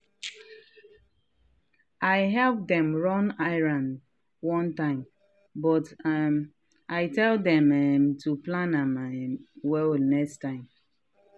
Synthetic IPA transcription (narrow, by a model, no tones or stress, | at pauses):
aɪɦɛlp̚dɛ̃mɹɔ̃naɪlãn | wɔ̃ntãɪ̃m | bɔtɛm | ʔaɪtɛldɛ̃mɛmtʰuplãnam | wɛlnɛkstãɪ̃m